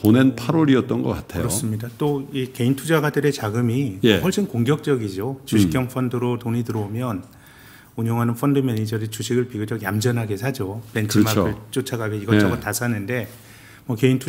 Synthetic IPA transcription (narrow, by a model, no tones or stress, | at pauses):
ponenpʰaɾoɾiʌt̚t͈ʌnɡʌk͈atʰejɯɾʌos͈ɯmɲidat͈oike̞intʰud͡ʑaɡadɯɾe̞t͡ɕaɡɯmijɸʌɭɕ͈inkoŋɡjʌk̚t͡ɕ͈ʌɡid͡ʑot͡ɕuɕʰikjʌŋpʰʌndɯɾotoŋitɯɾʌmjʌn | uɲoŋɦanɯnfʰʌndɯmjʌnid͡ʑʌɾit͡ɕuɕʰiɡɯɭpiɡud͡ʑʌɡjamd͡ʑʌnɦaɡe̞sʰad͡ʑope̞ntʰɯmaɯɭt͡ɕ͈ot͡ɕʰaɡaɡeiɡʌt͡ɕʌɡʌtasʰanɯnde̞ | mʌke̞intʰu